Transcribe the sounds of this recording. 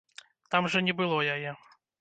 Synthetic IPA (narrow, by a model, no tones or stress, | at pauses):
t̪amʐɐnʲɛbɨlˠɔjajɛ